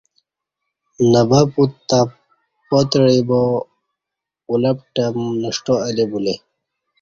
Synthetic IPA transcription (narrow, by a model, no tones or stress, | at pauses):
nɐbaput̪ːa | pot̪ɽibo | ulɐp̚ʈɐmnɐʂʈoalebule